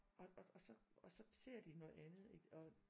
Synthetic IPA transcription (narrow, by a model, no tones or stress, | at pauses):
ɒɒsɒ̽ɒsɒ̽se̝ɐ̰d̥inɔ̽ːð̩ˠænð̞̩ˠi̥ɒ